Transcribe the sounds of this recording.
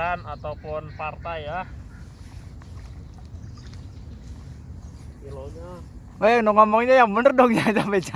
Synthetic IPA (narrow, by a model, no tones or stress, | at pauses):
anat̪awpʊnpart̪aja | iloɲa | ɛnoŋɔmɔŋiɲajaŋbənərdɔŋd͡ʒasampet͡ʃa